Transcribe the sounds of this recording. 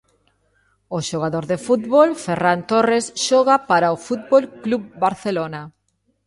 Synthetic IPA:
oʃoɣaðoɾðefut̪βolferant̪oresʃɔɣapaɾaofut̪̚bolkluβbaɾθelona

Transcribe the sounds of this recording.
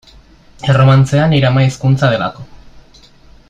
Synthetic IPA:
ero̞mant͡se̞aniɾamaiskunt͡sað̞e̞la̰ko̞

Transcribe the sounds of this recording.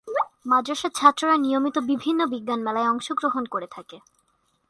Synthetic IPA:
mad͡ʑoʃat͡ɕʰat̪ːɾoɾanijomit̪obibʱinːobiɡːanmɛlaeɔŋʃoɡɾoɦonkoɾet̪ʰake

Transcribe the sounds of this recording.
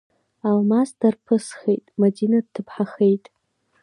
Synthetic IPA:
almasdarpʰɨsχejtʼmadinad̚tʰːɨpʰħaχe̞jtʼ

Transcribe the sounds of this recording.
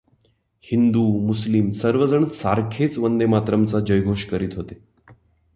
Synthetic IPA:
hind̪umuslimsəɾʋəd͡zəɳət̪saɾkʰet͡sʋənd̪emat̪ɾəmt͡sad͡ʑəjɡʱoɕkəɾiːt̪ɦot̪e

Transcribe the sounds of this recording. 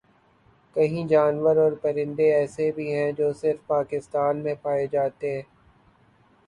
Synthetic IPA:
kɐɦĩd͡ʒaːnʋəɾɔːɾpɐɾɪ̃nd̪eɛːsebʱiɦɛ̃d͡ʒoːsɪɾfpaːkɪst̪aːnmẽpaːed͡ʒaːt̪eɦɛ̃ː

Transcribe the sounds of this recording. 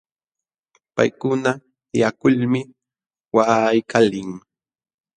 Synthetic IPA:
pa̰jkʊna | jakʊʎmɪ | waːjkʰalɪŋ

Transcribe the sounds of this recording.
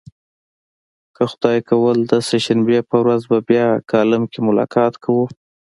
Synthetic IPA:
kəxʊd̪ɑjkawəld̪əseʃanbepəwɾazbabjɑkɑlɪmkemʊlɑ̰kɑt̪kʰawu

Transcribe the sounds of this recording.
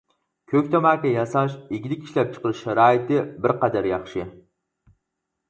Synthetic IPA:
kʲʰøkʲt̪ʰamæːkʲɛjɑsɑʃɪɡʲilɪkʲʰi̥ʃlæp̚t͡ʃʰə̥qəɾɨʃʃaɾɑːɪt̪ɪbɪɾqɑd̪æɾjɑχʃɪ

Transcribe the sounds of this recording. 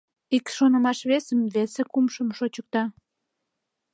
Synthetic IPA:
ikʃonəmɑʃβesəmβesekumʃəmʃot͡ɕək̚t̪ɑ

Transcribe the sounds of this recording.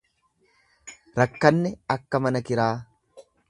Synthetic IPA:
ɾɐkːɐnːɛɐkːɐmɐnɐkɪɾaː

